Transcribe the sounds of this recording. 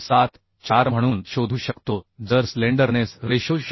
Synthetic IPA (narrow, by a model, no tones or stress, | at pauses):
sat̪ | t͡ɕaɾm̤əɽ̃uːnɕod̪ʱuːɕəkt̪od͡zəɾsleɳɖəɾnesɾeɕoɕ